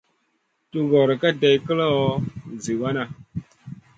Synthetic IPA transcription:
tu˦ɡɔ˨ɾə˨ka˦da˨jkə˦la˦o˦˨zi˨wa˦na˨

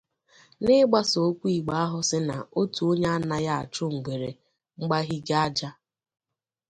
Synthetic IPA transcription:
nɪ˦ɡ͡ba˦so˨˦kʷu˦i˨ɡ͡ba˦a˦ɦʊ˨sɪ˦na̰˨o˦tu˨o˦ɲe˦a˦na˨ja˦a̰˨t͡ʃʊ˦ŋ͡m̩˨ɡ͡be˨ɾe˨ | ŋ͡m̩˦ɡ͡ba˦ɦi˦ɡa˦d͡ʒa˦

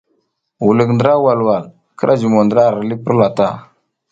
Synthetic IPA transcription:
wu˨lə˨kndə˨ɾa˦wa˨lwa˨l | kə˦ɾʔa˦d͡ʒi˨mo˨ndə˨ɾa˦˨ɾli˦pə˦ɾla˨ta̰˦˨

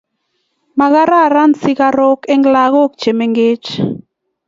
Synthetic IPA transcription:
ma˨ɣa˦ɾa˦˨ɾa˦nsɪ˦ka˦ɾɔ˦kɛ˦ŋɡla˦ɣɔ˦kt͡ʃe˨me˦ŋɡɪ˦t͡ʃ

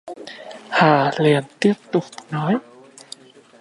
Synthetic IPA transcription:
haː˨˩li˨˩ənt̪i˦˥əp̚t̪ʊ˨˩k͡p̚nɔ˨˦j

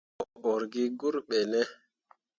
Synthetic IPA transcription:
ɔɔ˨ɾɡi˦ɡu˦ɾɓɛ˨nɛ˦

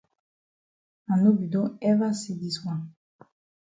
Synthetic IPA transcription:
a˨nu˦bi˨dɔ̃˦ɛ˦va˦si˨di˨swa˨

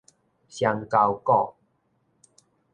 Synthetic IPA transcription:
ɕja˧ŋka˧wkɔ˥˧˨

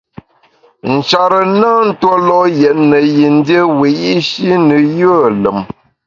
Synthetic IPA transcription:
n̩˨t͡ʃa˨ɾə˨na˦n̩˦two˦lɔ˦jɛ˨tnə˨ji˨n̩˦də˦we˨ji˦ʃi˦nə˨jə˦˨lə˨m

